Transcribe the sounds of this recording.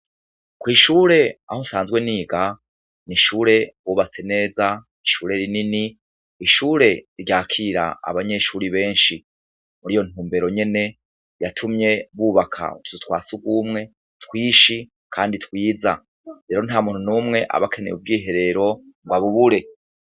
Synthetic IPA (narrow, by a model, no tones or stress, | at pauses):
kwiːʃuːɾe̞a̰hosaːnzɡwe̞niːɡa | niʃuːɾe̞βuːβat͡se̞ne̞ːzaniʃuːɾe̞ɾininiː | ʃuːɾe̞ɾjaːkʰiːɾa̰a̰βaɲe̞ʃuːɾiβe̞ːnʃi | muɾijo̞n̥uːmbe̞ɾo̞ɲe̞ne̞ | jatʰumɲe̞βuːβakʰa̰tu̥utwaːsuɡwumŋe̞ | twiːʃi | kʰaːnditwiːza̰ | ɾe̞ːɾo̞n̥haːmuːnhunuːmŋe̞ʔa̰βakʰe̞nḛjub̚ɡiːɦe̞ɾe̞ɾo̞ŋɡwaβuβuɾe̞